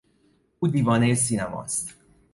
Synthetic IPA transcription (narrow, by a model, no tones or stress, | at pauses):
ud̪ivɒːnejsinɛmɒ̰st̪